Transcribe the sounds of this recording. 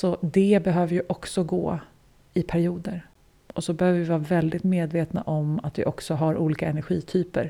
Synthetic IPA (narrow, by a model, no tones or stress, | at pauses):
sɔd̪ɛbɛɦøːvəɾjɵʔɔksɔɡo̰ː | ɪpʰæɾɪuːd̪əɾ | ʔɔsɔbɛhøːvəvɪvɑːɾavɛld̪ɪt̪meːd̪veːt̪na̰ʔɔmat̪vɪ̰ʔɔksɔɦaɾʔuːliːkaɛnæɾɧiːt̪ʰyːpə̰ɾ